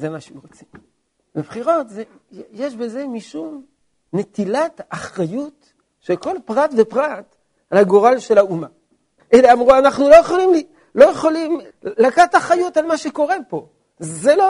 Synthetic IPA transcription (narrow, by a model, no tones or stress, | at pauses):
zemaʃeuʁot͡sim | bebχiʁo̞tzejjeʃbe̞ze̞miʃum | ne̞t̪ilat̪aχʁajut | ʃelko̞lpʁat̪ve̞pʁat̪ | alhaɡo̞ʁalʃe̞lauma | ʔeleamʁuanaχnulo̞jeχolimli | lo̞jeχolim | lakat̪aχajutalmaʃe̞ko̞ʁe̞po̞ | zelo